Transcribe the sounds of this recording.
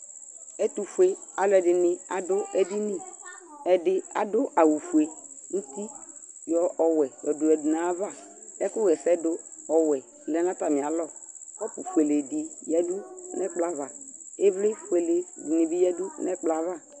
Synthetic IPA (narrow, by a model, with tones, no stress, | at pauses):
ɛ˦t̪u˨fu˨˦e˨a˨lɔ˦ɛ˨dɪ˨nɪ˨a˨dʊ˦ɛ˦di˦ni˦˨ | ɛ˨dɪ˦a̰˨dʊ˦ʔa˨wu˨fu˨e˨ | n̩˦t̪i˦ | jɔ˨ɔ˨wɛ˨jɔ˨dʊ˨ɛ˨du˨na˨˦va˦˨ | ɛ˦kʊ˦ɣɛ˨sɛ˦dʊ˦ | ɔ˨wɛ˨ | lɛ˨nã˦ta˨mɪ̃˨a˨˦lɔ˦˨ | kɔ˦pʊ˨fe˨le˨di˨jɛ˦du˦nɛ˦k͡pla˦va˨ | e˦vlɪ˦fe˨le˨du˨ni˨bi˦jɛ˦du˦nɛ˦k͡pla˨˦va˦˨